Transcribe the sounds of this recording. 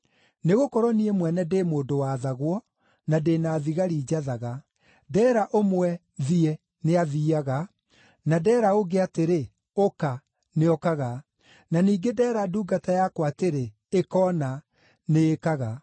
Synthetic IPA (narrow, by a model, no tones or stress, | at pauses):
neɣokɔɾɔniemwɛnɛdemoːndowaðaɣwɔ | nadeːnaːðiɣaɾiːd͡ʑaðaɣa | dɛːɾaʔomwɛ | ðiɛ | neaðiaɣa | nadɛːɾaoɡeateɾe | oka | neɔkaɣa | naniːɡedɛːɾaduːɡatajakwateɾe | ekɔːna | neːkaɣa